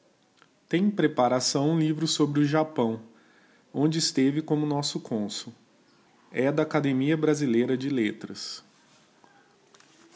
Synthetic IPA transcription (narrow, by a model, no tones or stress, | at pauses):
t̪ẽj̃pɾepaɾasɐ̃w̃ũlivɾʊsobɾɪʊʒapɐ̃w̃ | õd͡ʒɪːst̪evɪkõmʊnɔsʊkʰõsʊ | ɛd̪ɐːkad̪emiɐbɾazilejɾɐd͡ʒɪlet̪ɾɐs